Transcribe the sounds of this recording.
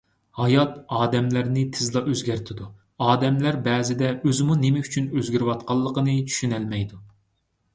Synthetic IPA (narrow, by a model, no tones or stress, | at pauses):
hɑjɑt̪ɑːd̪ɛmlæɾnɪt̪ʰɪzlˠɑʔøzɡʲæɾt̪ʰɪd̪u | ɑːd̪ɛmlæɾbɛːzɪd̪ɛøzɪmunemɛyt͡ʃʰynøzɡʲiɾɪwɑt̪̚qʰɑlˠːəqənɨt͡ʃʰy̥ʃynɛlmɛjd̪u